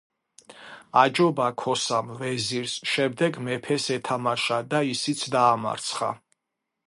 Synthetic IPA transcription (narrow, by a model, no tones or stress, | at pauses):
ad͡ʒɔbakʰɔsamvɛziɾsʃɛmd̪ɛɡmɛpʰɛsɛt̪ʰamaʃad̪aisit̪sʰd̪aːma̰ɾt̪sʰχa̰